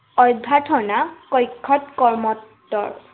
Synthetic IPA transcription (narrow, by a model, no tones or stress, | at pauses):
ɔjbʱːatʰɔnakɔjkʰːɔtkɔɹmɔtːɔ̰ɹ